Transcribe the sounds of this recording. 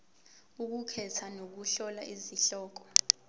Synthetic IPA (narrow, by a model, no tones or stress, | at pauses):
uk̬ukʰɛtʰanok̬uɬɔlaʔiziɬɔːk̬ɔ̥